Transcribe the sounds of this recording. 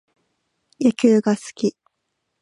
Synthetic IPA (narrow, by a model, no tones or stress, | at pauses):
jakʲɨːɡasɨ̥kʲi